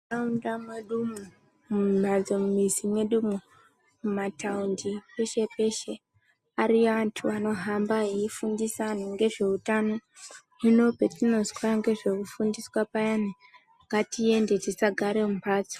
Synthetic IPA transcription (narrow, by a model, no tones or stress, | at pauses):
aundameɗumu | mumad͡zomumisimweɗumu | mumataundipeʃe̞pe̞ʃe̞ | aɾiʋantʰuʋano̞ɦambaɦiifundisaniŋɡe̞ʐe̞utano̞ | ino̞petino̞zwaaŋɡe̞ʐe̞kufundiswapajani | ŋɡatie̞nde̞tisaɡʱaɾemupaːd͡zo̥